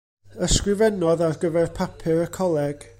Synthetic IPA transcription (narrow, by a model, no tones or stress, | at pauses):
əskrɪvɛnɔðarɡəvɛrpʰapʰɪɾəkʰɔlˠɛɡ̥